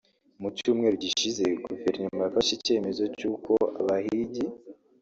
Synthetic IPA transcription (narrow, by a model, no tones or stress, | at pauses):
mucuːmŋe̞ɾuɟiʃize̞kuviɾiɲumafaʃice̞ːme̞zo̞cuːko̞̰aβahiiɟi